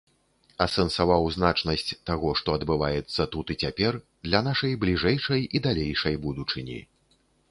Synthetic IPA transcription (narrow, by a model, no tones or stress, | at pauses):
ɐsɛnsavawzn̪at͡ʂnɐsʲt͡sʲt̪aɣɔʂt̪ɔɐd̪bɨvajɛt̪sːɐt̪ut̪it͡sʲapʲɛr | d̪lʲɐnaʂɐjblʲiʐɛjʂɐjid̪alʲejʂɐjbud̪ut͡ʂɨnʲḭ